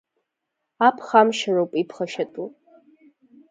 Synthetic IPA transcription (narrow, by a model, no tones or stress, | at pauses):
apʰχamʃarowpʼipʰχaʃatʼu